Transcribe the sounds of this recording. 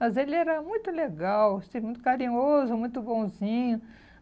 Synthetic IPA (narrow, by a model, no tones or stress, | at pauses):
mɐzelɪɛɾɐmũj̃t̪ʊleɡawsĩmũj̃t̪ʊkaɾĩɲozʊmũj̃t̪ʊbõzĩɲʊ